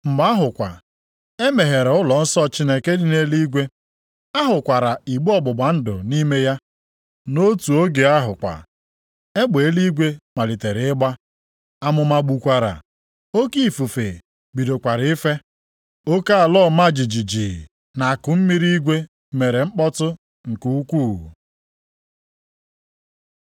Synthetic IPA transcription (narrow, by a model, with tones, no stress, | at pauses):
m̩˨ma˦ɦʊ˨kʷa̰˨ | e˦me˨ɦe˨ɾe˨ʊ˦lɔ˨n̩˦sɔ˦t͡ʃi˦ne˦ke˦dɪ˨ne˦li˦ɡʷe˦ | a˦ɦʊ˨kʷa˨ɾa˨i˨ɡ͡bu˦ɔ˨bʊ˨ɡ͡ba˨n̩˦dʊ̰˨ni˦me˦ja˦ | no˦tu˨o˦ɡe˨a˦ɦʊ˨kʷa̰˨ | e˦ɡ͡be˨˦li˦ɡʷe˦ma˨li˨te˨ɾɪ˨ɪ˦ɡ͡ba˦ | a˦mʊ˨ma˦ɡ͡bu˨kʷa˨ɾa̰˨ | o˦ki˦˨fu˨fe˨ | bi˨do˨kʷa˨ɾɪ˦fe˦ | o˦ka˦a˨lɔ˦˨ma˦˨d͡ʒi˨d͡ʒi˨d͡ʒi˨ | na˨kʊ˨m̩˦mi˦ɾi˦i˦ɡʷe˦ | me˨ɾe˨ŋ͡m̩˦k͡pɔ˦tʊ˦ | ŋ̩˨ku˦u˦kʷuː˦˨